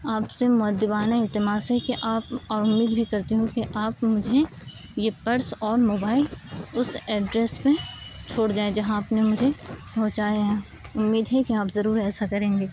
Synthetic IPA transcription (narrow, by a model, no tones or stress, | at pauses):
aːpsemʊəd̪jɪbaːnaɪlt̪ɪmaːsɦɛkiʔaːpɔːɾʊmːiːd̪bʱikɐɾt̪iɦũkiʔaːpmʊd͡ʒʱe | jepɐɾsɔːɾmoːbaːɪlʊsɛːɖɾeːspẽt͡ʃʰoːɽd͡ʒaːed͡ʒɐɦãaːpnemʊd͡ʒʱepɐ̃ɦt͡ʃaːjaɦɛ̃ | ʊmːiːd̪ɦɛkiaːpzɐɾuːɾɛːsakɐɾẽːŋɡeː